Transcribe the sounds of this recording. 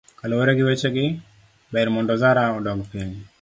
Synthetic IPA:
kaloweɾeɡɪwet͡ʃeɡɪ | bɛɾmɔndɔzaɾaɔdɔɡpiɲ

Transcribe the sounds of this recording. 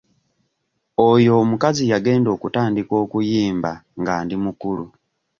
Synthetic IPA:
ojo̞mukazijaɡe̞ːndo̞ːkutaːndikwoːkujiːmbaŋɡaːndimukulu

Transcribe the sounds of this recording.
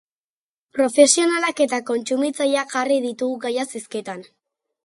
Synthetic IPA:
pɾo̞fe̞sio̞nalake̞t̪ako̞nt͡sumit͡sajaʝariðit̪uɣuɣajasisket̪an

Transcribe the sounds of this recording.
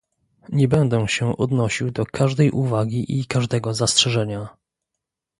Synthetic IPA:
ɲɛbɛnd̪ɛ̃ɕɛʔɔd̪nɔɕiwd̪ɔkʰaʐd̪ɛjʔuvaɡʲiʔikaʐd̪ɛɡɔzastʂɛʐɛɲa

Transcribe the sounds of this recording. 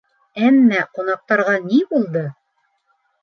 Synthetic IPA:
æmːæqunɑq̚t̪ɑɾʁɑnibulˠd̪ɤ

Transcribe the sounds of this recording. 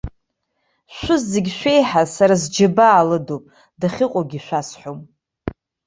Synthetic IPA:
ʃʷʊzːeɡʲʃᶣʷe̞jħasaɾazd͡ʒabaːlɨdopʼ | daχʲɪqʷʼoɡʲiʃʷᶣasħom

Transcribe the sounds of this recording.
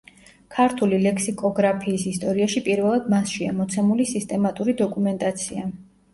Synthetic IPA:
kʰaɾt̪ʰulilɛksikʼɔɡɾapʰiːsist̪ʼɔɾiaʃipʼiɾvɛlˠad̪̚masʃiamɔt̪sʰɛmulisist̪ʼɛmat̪ʼuɾid̪ɔkʼumɛnt̪ʼat̪sʰia

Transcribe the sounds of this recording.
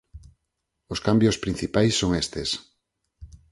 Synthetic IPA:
oskambjospɾin̟θipajsːoŋest̪es

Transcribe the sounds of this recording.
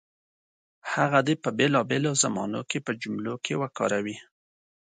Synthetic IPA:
haɣad̪epəbelɑbelozamɑ̰no̰kepəd͡ʒʊmlokʰewəkɑ̰ɾawi

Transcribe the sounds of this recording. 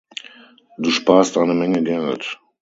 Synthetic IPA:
d̥uːʃpaːstʔaɪnəmɛŋədɛʁɪ̰t

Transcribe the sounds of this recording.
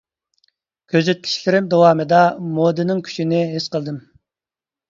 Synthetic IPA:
kʲʰøzyt̪̚kʲʰi̥ʃlɪɾɪmd̪owɑːmɨd̪ɑmod̪ɨnɪŋkʲʰy̥t͡ʃʰinɪɦɪsqəlˠd̪ɨm

